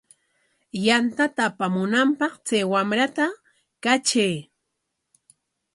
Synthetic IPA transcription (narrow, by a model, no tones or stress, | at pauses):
jant̪at̪aːpamʊnampɑqt͡sajwamɾat̪a | kat͡ʃej